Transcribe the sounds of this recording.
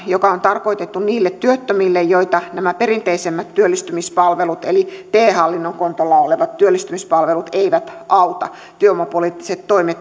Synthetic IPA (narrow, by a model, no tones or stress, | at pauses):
jokɑont̪ɑrkoit̪et̪ːunniːlːet̪t̪yøt̪ːømilːejjoit̪ɑnæmæperint̪eisemːæt̪t̪yølːist̪ymispɑlʋelut̪elit̪eːhɑlːinːoŋkont̪olːɑoleʋɑt̪t̪yølːist̪ymispɑlʋelut̪eiʋæt̪ʔɑut̪ɑ̰ | t̪yøomɑpoliːt̪ːi̥set̪toimet̪